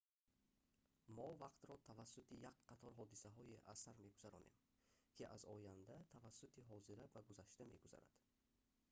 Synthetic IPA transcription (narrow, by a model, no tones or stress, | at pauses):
mɔvaqt̪ɾɔt̪ʰavasːut̪ʰijakqat̪ʰɔɾɦɔd̪isaɦɔiʔasaɾme̞ɡuz̥aɾɔ̰nem | kʰiʔazɔjand̪at̪ʰavasːut̪ʰiɦɔziɾabaɡuzaʃt̪ame̞̰ɡuza̰ɾa̰d̪̥